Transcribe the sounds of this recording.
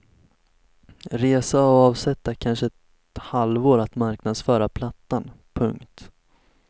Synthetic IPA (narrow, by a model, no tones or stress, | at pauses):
ɾeːsaɔɑːvsɛt̪ːakʰanʂəɛt̪ | halvoːɾat̪maɾknad̪sfœːɾapʰlat̪ːan | pʰɵŋkt̪